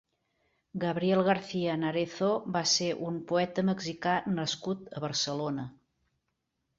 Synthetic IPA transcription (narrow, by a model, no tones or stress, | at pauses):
ɡəβɾiɛlˠɣəɾθiənəɾeθobaseʔumpuɛt̪əməɡzikanəskut̪əβəɾsəlonə